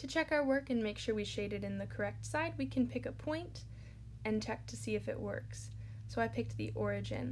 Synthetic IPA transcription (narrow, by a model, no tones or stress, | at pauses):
tʰɨt͡ʃʰɛkaʊə˞wɜ˞kɨ̃nmeɪkʃʊɹwiʃeɪɾɨɾɨ̃nðɨkʰə˞ɛk̚tsaɪd̚wikʰɨ̃npʰɪkɨpʰɔ̃ɪ̃nt | ɨ̃ntʰɛk̚tʰɨsiɨfɨ̰ʔwɜ̰˞ks | soʊaɪpʰɪk̪̚ðḭʔɔɹɨd͡ʒɨ̰̃n